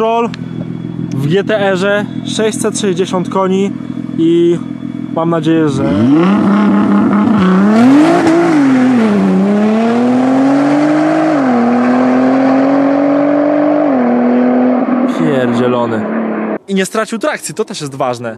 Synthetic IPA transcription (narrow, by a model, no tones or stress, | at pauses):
ɾɔl | vɡʲɛt̪ɛɛʐɛʂɛɕʲsɛt̪ʂɛʑd͡ʑeɕɔnt̪kɔɲii | mamnad͡ʑejɛʐɛ | pfʲjɛɾʑɛlɔnɘiɲɛst̪ɾat͡ɕiwt̪ɾak̚t̪sjit̪ɔt̪ɛʂjɛst̪vaʐnɛ